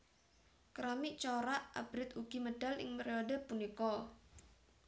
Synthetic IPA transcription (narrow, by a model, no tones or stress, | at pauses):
kɾamɪʔt͡ʃɔɾaʔa̰b̥ɾɪt̪uɡ̥iməɖ̥a̤lɪ̰ŋpeɾiodəpunikɔ